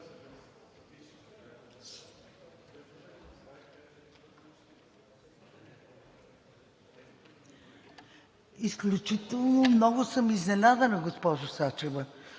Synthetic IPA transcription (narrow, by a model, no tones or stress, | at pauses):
isklʲut͡ʃit̪ɛlˠnomnɔɡʊsəmiznɛnad̪ənɐɡospɔʒʊsat͡ʃɛvə